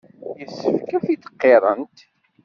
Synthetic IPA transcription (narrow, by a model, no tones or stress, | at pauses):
jəsːəfkæfit̪ə̥qːeɾˤənt̪